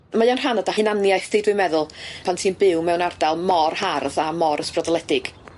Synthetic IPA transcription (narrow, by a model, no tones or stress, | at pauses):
majanr̥anadahɨnanjajθɨdwɪmɛðʊlˠpʰantʰiːnbɪwmɛwnardalˠmɔrharðamɔɾəsprɔdɔlˠɛdɪɡ̥